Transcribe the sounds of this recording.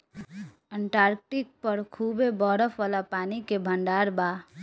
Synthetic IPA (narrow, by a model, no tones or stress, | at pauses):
əɳʈaːɾk̚ʈɪk̚pəɾkʰuːbebɔːɾəfʋaːlapaːnikebʱə̃ɳɖaːɾba